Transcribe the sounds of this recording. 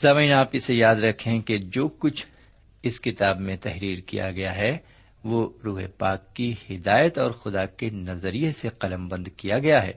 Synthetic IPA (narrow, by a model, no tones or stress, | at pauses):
saːʋiːnaːpɪsejaːd̪ɾɐkʰẽked͡ʒoːkʊt͡ʃʰ | ɪskɪt̪aːbmẽt̪ɛɦɾiːɾkḭja̰ɡɐjaɦɛ | ʋoːɾuːɦepaːkːihɪd̪aːjət̪ɔːɾxʊd̪akenɐzəɾijeseqɐləmbɐ̃nd̪kijaɡɐjaɦɛ̰ː